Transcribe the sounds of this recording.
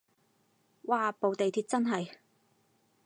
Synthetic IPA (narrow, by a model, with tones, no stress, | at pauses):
waː˨˩po˨wt̪e˨jt̪ʰiː˧t̚t͡sɐ˥nɦɐ˨j